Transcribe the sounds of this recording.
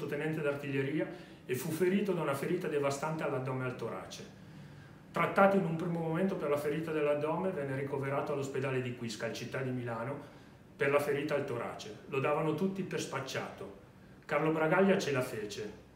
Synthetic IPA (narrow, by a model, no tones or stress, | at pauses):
ot̪enɛnt̪ed̪art̪iʎːeɾiːa | efːufeɾiːt̪od̪aunafeɾiːt̪ad̪evast̪ant̪ealːad̪ɔːmealt̪oɾa̰ːt͡ʃe | t̪ɾat̪ːaːt̪oinumpɾiːmomoment̪operlafeɾiːt̪ad̪elːad̪ɔːmevɛnːeɾikoveɾaːt̪oalːosped̪aːled̪ikwiskalt͡ʃit̪ːad̪ːimilaːno | perlafeɾiːt̪aːlt̪oɾa̰ːt͡ʃelod̪aːvanot̪ut̪ːiperspat͡ʃːa̰ːt̪o | karlobɾaɡaʎːat͡ʃelafeːt͡ʃe